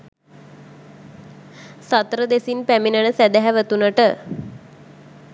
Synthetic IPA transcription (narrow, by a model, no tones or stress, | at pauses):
sat̪ɾəd̪esinpæminənəsæd̪æɦɛʋət̪unəʈə